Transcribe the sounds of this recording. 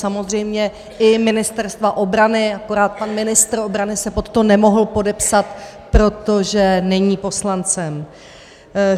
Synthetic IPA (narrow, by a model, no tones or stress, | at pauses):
samo̞zr̝ɛjmɲɛ | ʔɪmɪnɪst̪ɛɾst̪vaʔo̞bɾanɪako̞ɾaːt̪̚panmɪnɪst̪ɾo̞bɾanɪsɛpo̞t̪ːomnɛmo̞ɦl̩po̞dɛpsat̪ | pɾo̞t̪o̞ʒɛnɛɲiːpo̞slant͡sɛm